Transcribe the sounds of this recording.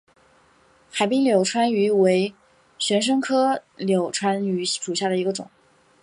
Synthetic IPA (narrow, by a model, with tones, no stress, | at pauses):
xa˨˩ɪpi˥ŋljo˨˩ʊʈ͡ʂʰwa˥ny˧˥we˧˥ɪ | ɕɥɛ˧˥nʂ̬ɤ˥ŋkʰɤ˥ljo˨˩ʊʈ͡ʂʰwa˥ny˧˥ʂu˨˩ɕja˥˩d̪ə˩i˧˥ɡə˧ʈ͡ʂʊ̰˨˩˦